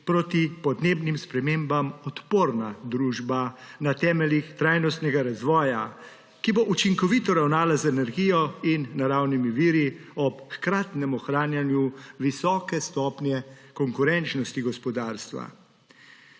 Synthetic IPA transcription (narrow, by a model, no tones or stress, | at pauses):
pɾot̪ipɔd̪neːbnimspɾɛmeːmbamɔt̪poːɾnad̪ɾuːʒbanat̪ɛːmɛlixt̪ɾaːjnɔst̪nɛɡaɾazʋɔːja | kiboʔut͡ʃiŋkɔʋiːt̪ɔɾawnaːlazɛnɛɾɡijɔinːaɾawnimiʋiːɾiɔpxkɾaːt̪nɛmɔxɾaːnjanjuʋisɔːkɛst̪ɔːpnʲjɛkɔŋkuɾɛnt͡ʃnɔst̪iɡɔspɔd̪aːɾst̪ʋa̰